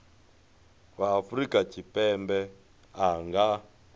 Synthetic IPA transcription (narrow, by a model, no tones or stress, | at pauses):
waːfɾikat͡ʃipɛmbɛ | aŋɡa